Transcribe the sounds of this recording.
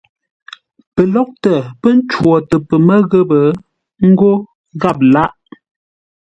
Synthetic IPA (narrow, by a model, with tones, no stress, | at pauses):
pə˨lɔ˦k̚tə˨pə˦n̩˦t͡ʃwɔ˨tə˨pə˨mə˦ɣə˦bə˨ | ŋ̩˦ɡo˦ | ɣa˦˨p̬̚la˦ʔ